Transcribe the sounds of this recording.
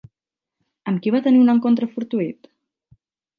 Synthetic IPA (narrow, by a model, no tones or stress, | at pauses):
əmkiβ̞at̪əniunəŋkont̪̬ɾəfuɾt̪uit̪